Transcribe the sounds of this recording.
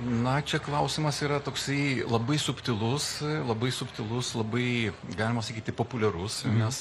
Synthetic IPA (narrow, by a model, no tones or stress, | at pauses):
nɐt͡ʃʲɛklˠɐʊsʲɪmɐsiːɾɐt̪oːksɐɪlˠɐbɐɪsʊpʲt̪ʲɪlˠʊslˠɐbɐɪsʊpʲt̪ʲɪlˠʊslˠɐbɐɪɡɑːlʲɪmɐsɐkʲiːt̪ʲɪpoːpʊlʲɛɾʊsnʲɛs